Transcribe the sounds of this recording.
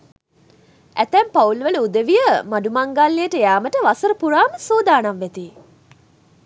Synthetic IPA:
æt̪æmpaulʋələud̪əʋijəmaɖumaŋɡaːlːejəʈəjaːməʈəʋasəɾəpuɾaːməsoːd̪aːnaʋːæt̪iː

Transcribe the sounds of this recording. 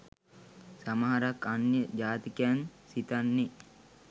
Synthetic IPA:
samaɦaɾakːanjəd͡ʒaːt̪ikejansit̪anːe

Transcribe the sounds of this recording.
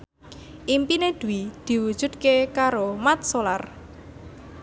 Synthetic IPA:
ʔimpined̪̥ṳwid̪̥i̤wud̥ʒ̥ṳd̪̚kekaɾomat̪̚solar

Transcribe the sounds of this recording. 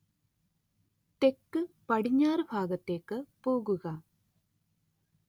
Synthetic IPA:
t̪ekːɨ | pɐɽiɲːaːrɨbʱaːɡɐt̪ːeːkːɨpoːɣuɣɐ

